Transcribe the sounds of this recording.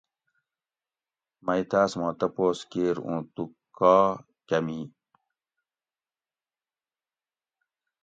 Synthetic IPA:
mɐjt̪aːsmãːt̪ɐpoːskeːɾṵ̃ːt̪ukːaː | cɐmi

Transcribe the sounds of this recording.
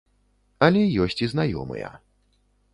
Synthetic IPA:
ɐlʲɛjɔsʲt͡sʲiznajɔ̰mɨ̰jɐ̰

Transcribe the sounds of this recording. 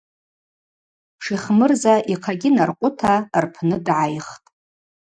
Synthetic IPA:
ʂiχmɨrzaʔiqʰaɡʲɪnarqʷʼʊtʰarpʰnɨdʕajχtʼ

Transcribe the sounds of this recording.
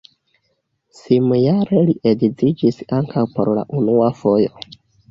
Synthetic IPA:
simjaɾe̞liʔedid͡zid͡ʒisaŋkʰawpo̞ɾla̰ʔunuafo̞jo̞

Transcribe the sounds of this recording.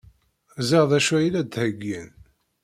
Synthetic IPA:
zɑʁðˤæʃæjilæd̪həɡːæn

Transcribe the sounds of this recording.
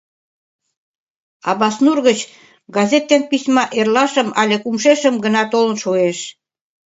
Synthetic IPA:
ɑβɑsnurɣət͡ɕ | ɡɑzʲet̪ːenpisʲmɑʔerlɑʃə̆mɑlʲekumʃeʃə̆mɡə̆nɑt̪olə̆nʃoeʃ

